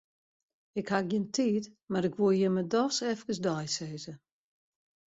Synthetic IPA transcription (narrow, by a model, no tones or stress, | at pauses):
ɪkhak̚jɪntʰiːtmaɾɪkʋuəjɪmədɔsɛfkəsdɔjseːzə